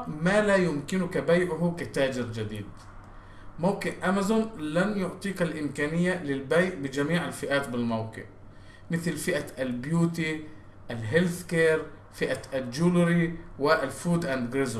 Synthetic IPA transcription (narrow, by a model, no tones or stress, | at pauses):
malajʊmkɪnʊkabajʕʊɦʊkat̪aːd͡ʒɪɾd͡ʒad̪ḭːd̪ | mawkɪʔʔamazʊnlanjʊʕt̪ˤiːkalʔɪmkaːnɪjːalɪlbajʔbɪd͡ʒamiːʕalfɪʔaːt̪bɪlmawkɪ̰ʕ | mɪθlfɪʔaalbjuːt̪̬i | ʔalɦɪlθkeːɾ | fɪʔaʔad͡ʒulɾiwɪʔalfuːd̪ʔand̪ɡɾɪz